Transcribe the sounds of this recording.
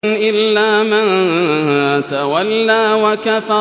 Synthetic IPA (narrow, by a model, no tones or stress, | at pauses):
nʔɪlːaːman | t̪awalːaːwakafɑ